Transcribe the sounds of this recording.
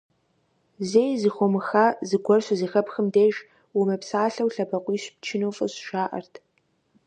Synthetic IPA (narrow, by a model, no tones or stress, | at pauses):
zeːjzɨxʷɔmɨxaːzɨɡʷɔrɕʷɐzixɐpxəmdeːʒ | wʊmɐpʰsaːɬɐwɬɐbɐqʷʼiːɕpt͡ʃʰɪnofʼɨ̰ɕʃaːʔɐ̰rtʰ